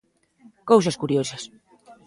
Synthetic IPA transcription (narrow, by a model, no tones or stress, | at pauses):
kowsɐskuɾjosɐs